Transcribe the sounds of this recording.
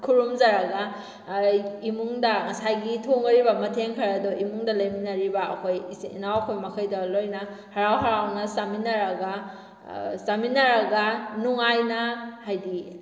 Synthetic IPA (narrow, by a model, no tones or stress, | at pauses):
kʰuɾumzaɾaɡa | imuŋdɐŋɐsajɡitʰoŋɐɾibɐmɐtʰeŋkʰɐɾɐdɔʔimuŋdɐlɐjminɐɾibaɐkʰojḭnawɐkʰojmɐkʰɐjdalojnɐ | hɐɾawɦɐɾawnɐsaminɐɾɐɡa | saminɐɾɐɡanuŋajnɐhajdi